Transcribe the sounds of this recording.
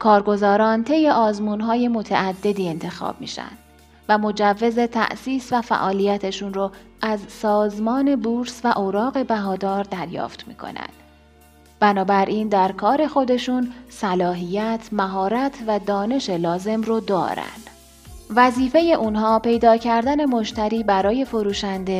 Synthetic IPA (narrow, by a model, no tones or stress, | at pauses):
kʰɒːɾɡo̞zɒːɾɒːnt̪ʰe̞jːeʔɒːzmuːnɦɒːje̞mo̞t̪ʰæ̰æd̪ːe̞d̪iːent̪ʰe̞xɒ̰ːb̥̚mḭːʃæ̰nd̪̥ | væmo̞d͡ʒævːe̞ze̞t̪ʰæ̰ʔsiːsvæfæ̰ʔɒːlijæt̪ʰeʃunɾoʔæzsɒːzmɒːnebuɾsvæʔoɾɒːɣe̞bæɦɒːd̪ɒːɾd̪æɾjɒ̰ːft̪mḭːkʰo̞̰næ̰nd̪̥ | b̥ænɒːbæɾʔiːnd̪æɾkʰɒːɾe̞xo̞d̪e̞ʃunsælɒːɦijæt̪ʰmæɦɒːɾæt̪ʰvæd̪ɒːne̞ʃe̞lɒːze̞mrod̪ɒ̰ːɾæ̰nd̪̥ | væziːfe̞je̞ʔunɦɒːpe̞jd̪ɒːcʰæɾd̪æne̞mo̞ʃt̪ʰæɾiːbæɾɒːje̞fo̞ɾuːʃænd̪e̞